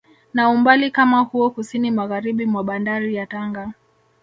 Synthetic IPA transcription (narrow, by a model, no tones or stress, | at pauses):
naumbalikamahuɔkusinimaɣaɾiɓimwaɓandaɾijataŋɡa